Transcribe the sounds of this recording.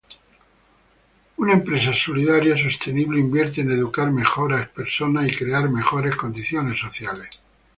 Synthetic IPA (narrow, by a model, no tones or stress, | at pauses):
unaempɾe̞sasoliðaɾjasost̪e̞niβleimbje̞ɾt̪̬eːne̞ðukaɾme̞xo̞ɾape̞ɾso̞naikɾe̞aɾme̞xo̞ɾe̞sko̞nd̪iθjo̞ne̞sːo̞θjale̞s